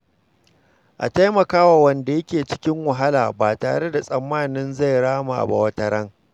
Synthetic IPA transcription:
ʔa̰˨ta˦jmɐ˨kaː˦wa˨wɐ˨nda˨jɐ˦kʲeː˨t͡ʃɪ̥˦kʲɪ˦ŋwɐ˨ɦa˦la̰ː˨baː˨taː˨ɽe˦da˨sʼɐ˨mːaː˦˨nɪ˦nza˦˨jɽaː˦ma˨ʔa̰˨ba̰˨wɐ˦tɐ˨ɾɐ˦ŋ

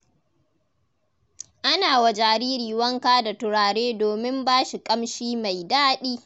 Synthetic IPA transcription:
ʔa˦naː˨wa˨d͡ʒaː˨ɾiː˦ɾiː˨wɐ˦ŋkaː˦da˨tʊ˨ɽaː˨ɽeː˦doː˨mɪ˦mbaː˦ʃi˨kʼɐ˦mʃiː˦ma˨jdaː˦ɗiː˦

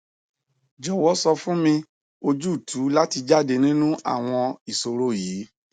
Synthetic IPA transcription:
d͡ʒɔ˨wɔ˨˦sɔ˧fũ˦mĩ˧ | o˧d͡ʒu˦˨tʰu˨˦la˦ti˧d͡ʒa˦˨de˧nĩ˦nũ˦ʔa̰˦˨w̃ɔ̃˧i˨so˧ɾo˦˨jiː˨˦

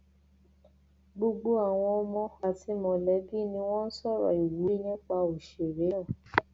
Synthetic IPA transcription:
ɡ͡bo˧ɡ͡bo˦a˨w̃ɔ̃˧ɔ˧mɔ̃˧a˨ti˨˦mɔ̃˨lɛ˨˦bi˦nĩ˧w̃ɔ̃˦n̩˦sɔ˦˨ɾɔ̰˨i˨wu˨˦i˦nĩ˦k͡pa˧o˨ʃe˨ɾe˨˦ɔ̃˦˨

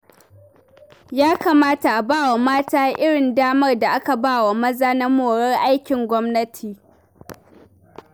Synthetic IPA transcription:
jaː˦kaː˨maː˦ta˨ʔa˨baː˦wa˨maː˦taː˦ʔɪ˦ɽɪ˨ndaː˦mɐ˦rda˨ʔa˦ka˨baː˦˨wa˨mɐ˦zaː˦na˦moː˨ɽɐ˦rʔa˦jkʲɪ˨ŋɡʷɔ˦mnɐ˦tʰiː˨

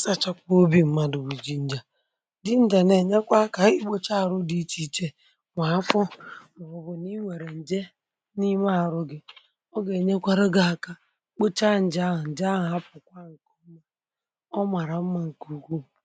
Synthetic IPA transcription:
sa˦˨t͡ʃa˦kʷo˦bi˦m̩˦ma˦dʊ˨wi˨d͡ʒi˨n̩˦d͡ʒa˨ | dɪ˦n̩˦da˨ne˨ɲe˦kʷa˦ka˨i˦ɡ͡bo˦t͡ʃa˦˨ɾʊ˦di˦t͡ʃi˦t͡ʃe˦ | ŋʷa˨a˦fɔ˦ma˨ɔ˨bʊ˨ni˦ŋʷe˨ɾe˨n̩˨d͡ʒe˦ | ni˦ma˦˨ɾʊ˦ɡɪ˦ | ɔ˦ɡe˨ɲe˦kʷa˦ɾe˦ɡa˨a˨ka˨ | k͡po˦t͡ʃa˦˨n̩˨d͡ʒa˦˨n̩˨d͡ʒa˦˨a˦pʊ˨kʷa˦ŋ̩˨ko˦m̩˦ma˦ | ɔ˦ma˨ɾa˨m̩˦ma˦ŋ̩˨ku˨ɡʷu˦˨

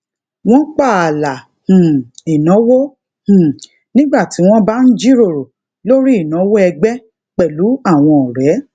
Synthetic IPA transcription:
w̃ɔ̃˦k͡pa˦˨a˨la˨ | h̩˨i˨nɔ̃˨˦wo˦ | h̩˨ | nĩ˦ɡ͡ba˦˨ti˨˦w̃ɔ̃˦ba˦n̩˦d͡ʒi˦ɾo˦˨ɾo˨ | lo˦ɾi˦i˦˨nɔ̃˨˦wo˦ɛ˧ɡ͡bɛ˦ | k͡pɛ˨lu˨˦a˦˨w̃ɔ̃˧ɔ˨ɾɛ˨˦

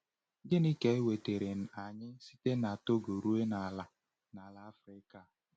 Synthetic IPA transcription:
dɪ˦ni˦ke˦e˦we˨te˨ɾe˨n̩˨a˨ɲɪ˦si̥˦te˦na˨to˦ɡo˨ɾu˦e˦na˨la˨ | na˨la˦a˦fɾɪ˦ka˦˨

